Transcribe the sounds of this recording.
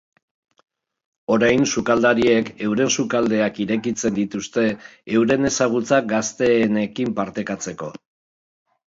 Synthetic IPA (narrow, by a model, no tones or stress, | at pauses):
o̞ɾajnsukald̪aɾie̞ke̞wɾe̞nsukald̪e̞akiɾe̞kit͡se̞nd̪it̪ust̪e̞ːwɾe̞ne̞saɣ̞ut͡sak̚ɡast̪e̞ːne̞kimpaɾt̪e̞kat͡se̞ko̞